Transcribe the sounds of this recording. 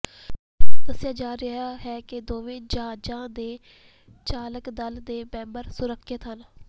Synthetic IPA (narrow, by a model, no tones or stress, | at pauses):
d̪əsɪjaːd͡ʒaːɾɪɦaːɦɛːkɪd̪oːʋẽːd͡ʒãːd͡ʒãːd̪eː | t͡ʃaːləkd̪əld̪eːbɛ̃ːmbəɾsʊɾəkʰːət̪ɦəl